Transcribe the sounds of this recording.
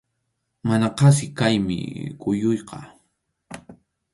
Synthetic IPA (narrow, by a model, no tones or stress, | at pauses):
manaqɑs̬ɪkajmɪ̰kʊjʊjqɑ